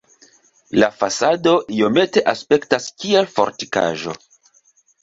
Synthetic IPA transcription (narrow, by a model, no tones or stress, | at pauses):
lafasado̞ʔio̞me̞te̞ʔaspe̞ktaskielfo̞̰ɾtika̰ʒo̞̰